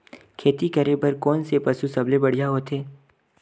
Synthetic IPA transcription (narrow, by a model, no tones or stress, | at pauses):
kʰeːt̪ikɐɾebəɾkɔːnsepɐsusɐblebɐɽ̤ijaɦoːt̪eː